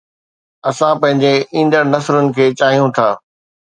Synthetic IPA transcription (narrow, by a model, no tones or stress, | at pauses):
ɐsãpɐ̃ɦɪ̃ɲd͡ʑeʔĩːnd̪əɽnɐsɾʊnɪ̆kʰeːt͡ɕaːɦijũt̪ʰaː